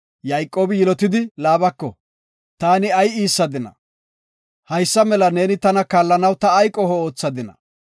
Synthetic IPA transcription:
jɐjkʼːo̞ːbɪjɪlɔt̪ɪd̪ɪlaːbɐkːɔ | t̪aːnɪɐjiːsːɐd̪ɪnɐ̰ | hɐjsːɐmɛlɐne̞ːnɪt̪ɐnɐkaːlːɐnɐwt̪ɐːjkʼːɔhɔoːt͡sːɐd̪ɪnɐ̰

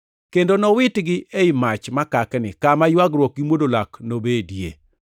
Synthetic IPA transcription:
kendonɔwɪtɡɪʔeɪmat͡ʃmakaknɪ̰kamajwaɡrwɔk̚ɡimwodolaknobedjḛ

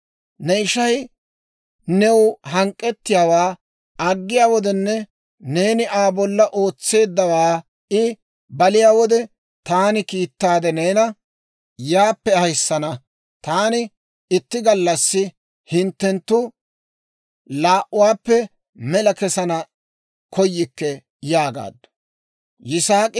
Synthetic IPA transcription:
nɛɪʃɐj | nɛwʊɦɐŋkʼːɛt̪ːɪjaːwaː | ɐɡːɪjaːwɔd̪ɛnːɛ | ne̞ːnɪʔaːbɔlːɐʔo̞ːt͡sːe̞ːd̪ːɐwaː | ɪ | bɐlɪjaːwɔd̪ɛ | t̪aːnɪkiːt̪ːaːd̪ɛneːnɐ | jaːpːɛɐjsːɐnɐ | t̪aːnɪ | ɪt̪ːɪɡɐlːɐsːɪ | hɪnt̪ːɛnt̪ːʊ | laːʔʊwaːpːɛ | mɛlɐkɛsɐnɐ | kʰɔjːɪkːɛ | jaːɡa̰ːd̪ːʊ̥ | jɪsaːkʼɪ

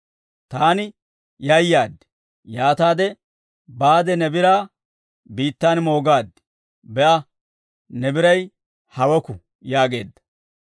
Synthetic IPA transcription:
t̪aːnɪ | jɐjːaːd̪ːɪ̥ | jaːt̪aːd̪ɛ | baːd̪ɛnɛbɪɾaː | biːt̪ːaːnmo̞ːɡaːd̪ːɪ̥ | bɛʔɐ | nɛbɪɾɐj | hɐwɔkʊ | jaːɡe̞ːd̪ːɐ̥

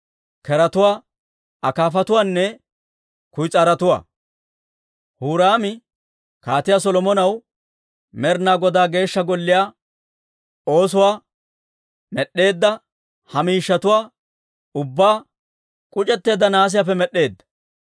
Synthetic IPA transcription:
kɛɾɐt̪ʊwaː | ɐkaːfɐt̪ʊwaːnːɛ | kʊjt͡sʼaɾɐt̪ʊwa̰ː | huːɾaːmɪ | kaːt̪ɪjaːs̬ɔlɔmɔnɐw | mɛɾnaːɡɔd̪aːɡe̞ːʃːɐɡɔlːɪjaː | o̞ːsʊwaː | mɛɗːe̞ːd̪ːɐ | hɐmiːʃːɐt̪ʊwaː | ʊbːaː | kʼʊt͡ʃʼɛt̪ːe̞ːd̪ːɐnaːs̬ɪjaːfɛmɛɗːe̞ːd̪ːɐ̥

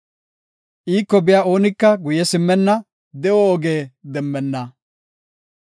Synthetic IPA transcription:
ʔiːkːɔbɪjaːo̞ːnɪkːɐɡʊjɛsɪmːɛnːɐ | d̪ɛʔɔːɡe̞ːd̪ɛmːɛnːɐ

